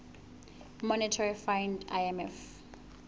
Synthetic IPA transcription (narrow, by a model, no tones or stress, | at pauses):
mɔnitʰɔɹifãjndajɛmɛf